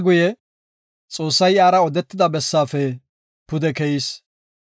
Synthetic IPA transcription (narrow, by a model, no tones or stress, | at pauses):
ɡʊjɛ | t͡sʼo̞ːsːɐjaːɾɐɔd̪ɛt̪ːɪd̪ɐbɛsːaːfɛ | pʊd̪ɛkɛjis